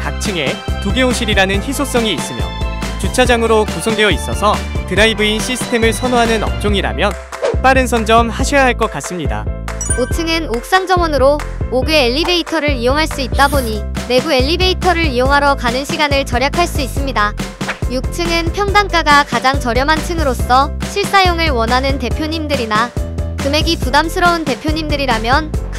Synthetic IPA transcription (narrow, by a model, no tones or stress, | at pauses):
kak̚t͡ɕʰɯŋe̞tuɡe̞ɦoɕʰiɾiɾanɯnçisʰok̚s͈ʌŋiːs͈ɯmjʌ̰t͡ɕut͡ɕʰad͡ʑaŋɯɾokusʰoŋdeʌis͈ʌsʰʌtɯnaibɯinɕʰisʰɯ̥tʰe̞mɯɭsʰʌnoɦanɯnʌ̰p̚t͡ɕ͈oŋiɾa̰mjʌn | p͈aɾɯnsʰʌnd͡ʑʌmhaɕʰejaɦaɭk͈ʌk͈̚as͈ɯmɲida̰ | otʰɯŋɯnok̚s͈aŋd͡ʑʌŋwʌnɯɾo | oɡɯeːʎːibe̞itʰʌɾɯɾijoŋɦaɭs͈uit̚t͈aboɲime̞ɡue̞ʎːibe̞itʰʌɾɯɾijoŋɦaɾʌkanɯnɕʰiɡanɯɭt͡ɕʌɾjakʰaɭs͈uis͈ɯmɲida | juk̚tʰɯŋɯnpʰjʌŋdaŋk͈aɡakad͡ʑaŋt͡ɕʌɾjʌmantʰɯŋɯɾos͈ʌɕʰiɭs͈ajoŋɯɭwʌnɦanɯnte̞pʰjoɲimdɯɾinakɯmeɡipudamsʰɯɾʌunte̞pʰjoɲimdɯɾiɾamjʌnk